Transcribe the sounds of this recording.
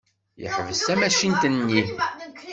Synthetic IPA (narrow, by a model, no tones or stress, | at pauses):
jə̰ħvəsæmæʃint̪ənːiθ